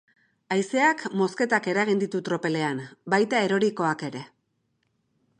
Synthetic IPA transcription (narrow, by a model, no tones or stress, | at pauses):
ajse̞akmo̞ske̞t̪ake̞ɾaɣ̞ind̪it̪ut̪ɾo̞pe̞le̞ambajt̪ae̞ɾo̞ɾiko̞ake̞ɾe̞